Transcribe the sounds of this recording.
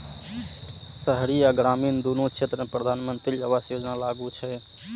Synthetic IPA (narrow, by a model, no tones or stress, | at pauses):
səɦɾiaɡɾamiːnd̪unot͡ʃʰet̪ɾəmepɾəd̪ʱanmənt̪ɾiəʋasjod͡ʒnalaɡut͡ʃʰɛ